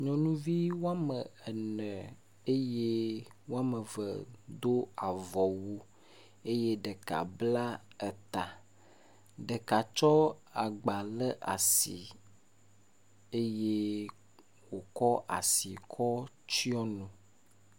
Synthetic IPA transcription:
ɲɔ̃˨nũ˦vi˦wo˦a˦mə˨ɛ˨nə̃˨ | e˦je˦wo˦a˦mə˨və˨d̪o˦a˨vɔ˨wu˦ | e˦je˦ɖə˨ka̰˨bla˦ə˨t̪a˨ | ɖə˨ka˨t͡ʃɔ˦a˨ɡ͡ba˨lə˦ʔa̰˨si˨ | e˦je˦ | wo˨kɔ˦ʔa˨si˨kʰɔ˦ | t͡ʃi˦ɔ˦nũ˨

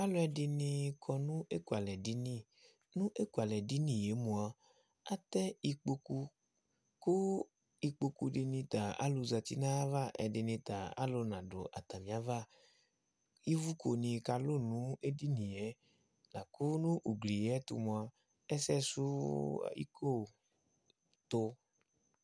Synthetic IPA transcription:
a˦lʊ˦ɛ˧dɪ˧nɪ̃˧kʰɔ˧nũ˦e˦ku˨a˨lɛ˨di˨˦nĩ˦ | nũ˦ʔe˦ku˨a˨lɛ˨di˦nĩ˨je˨˦mũ˨a˨ | a˦t̪ɛ˦i˧k͡po˧ku˧ | kʊ˦ | i˧k͡po˧ku˧dɪ˧nĩ˧t̪a˨a̰˦lʊ˧za˧t̪i˦nã˦va˦ʔɛ̰˧dɪ˧nĩ˧t̪a˨a̰˦lʊ˧nã˨dʊ̰˨ʔa̰˨t̪a˨mĩ˨a˨˦va˦ | i˦vu˦kʰo˨nĩ˧ka˧lʊ˦˨nũ˨˦e˦di˦nĩ˨jɛ˨˦ | la˨kʊ˦nũ˦ʔu˨ɡli˨jɛ˦tṵ˧mũ˧a˨˧ | ɛ˦sɛ˦su˦˨ḭ˦ko˦˨ | t̪ʊ˧

